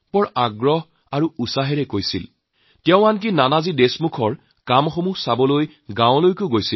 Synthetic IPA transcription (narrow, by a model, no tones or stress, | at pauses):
pɔɹaɡɹɔɦ | aɹuusaɦɛɹɛkojsil | tɛʊ̃ank̬inanazidesmukʰɔɹ | kamxomusabɔloj | ɡãwʊ̃lojkoɡojsil